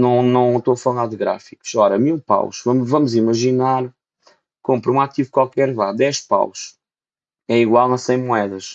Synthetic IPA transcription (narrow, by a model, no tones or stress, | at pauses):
nɐ̃w̃nɐ̃w̃t̪oɐfɐlˠaɾðɨɣɾa̰fiku̥ʃɔɾɐmilˠpa̰wʃvɐmvɐmuzimɐʒinaɾ | kõmpɾũat̪ivukwalˠkɛɾvad̪ɛʃpa̰wʃ | ɛiɣwalˠɐ̃sɐ̃j̃muɛðɐʃ